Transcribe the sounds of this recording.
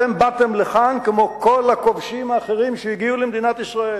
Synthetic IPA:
embat̪e̞mleχankemo̞kʰo̞lhako̞vʃimaːχeʁimʃejiɡiulemd̪inat̪isʁae

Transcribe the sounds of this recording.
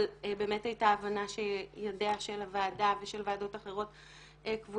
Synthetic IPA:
lbe̞ːme̞thajtaːvanaʃe̞jodeaʃe̞lavaːdaveʃe̞lveːdo̞taχeʁ̞o̞t | ekvu

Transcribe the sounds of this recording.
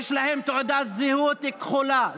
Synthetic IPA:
ʃlahɪmt̪ʊʕd̪aːt̪zɪhuːt̪ɪkxʊla

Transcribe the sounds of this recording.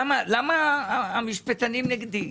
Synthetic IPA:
malamaːmiʃpet̪animneɡd̪i

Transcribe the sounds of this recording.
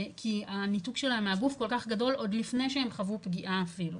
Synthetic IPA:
kʰianituɡʃelaemeaɡufko̞lkaχɡado̞lo̞d̪lifne̞jʃeemχavupɡiʔaːfilu

